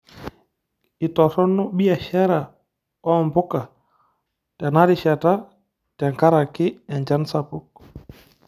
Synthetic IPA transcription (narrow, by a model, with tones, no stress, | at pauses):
i˨tɔ˨sɔ˦nːɔ˦ɓi˦a˨ʃɛ˦ɾa˨ | ɔ˦˨mbu˦ka˨ | tɛ˨na˦ɾi˨ʃɛ˨ta˦ | tɛ˨ŋka˦ɾa˨ki˦ɛ˨ɲd͡ʒa˦nsapu˦k̚